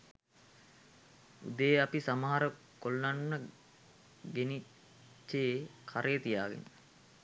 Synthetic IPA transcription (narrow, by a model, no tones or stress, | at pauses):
ṵd̪əjeapisamaɦaɾə | kolnanmə | ɡeni | t͡ʃːeːkʰaɾʔejːt̪ijaːɡḛnə